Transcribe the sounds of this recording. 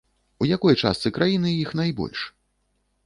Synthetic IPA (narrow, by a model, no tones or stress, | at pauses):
ujakɔjt͡ʂa̰st̪sɨkɾajinɨjixnajbɔ̰lʲʂ